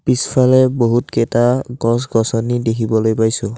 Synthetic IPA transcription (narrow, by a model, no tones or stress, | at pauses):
pispʰalɛboɦutkɛtaɡɔsɡɔsɔnidekʰibɔlojpajsʊ̃